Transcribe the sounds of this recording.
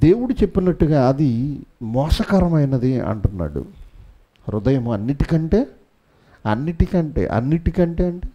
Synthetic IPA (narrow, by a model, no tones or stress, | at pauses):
d̪e̞ːwuɽut͡ʃe̞pːinɐʈːuɡaːɐd̪imɔːʂɐkaːɾɐmɐjnɐd̪iɐ̰ɳʈunːa̰ːɽṵ | ɾud̪ɐjɐmuɐnːiʈikɐɳʈe̞ː | ɐ̰nːiʈikɐɳʈe̞̰ːʔɐ̰nːiʈikɐɳʈe̞ːɐɳʈeː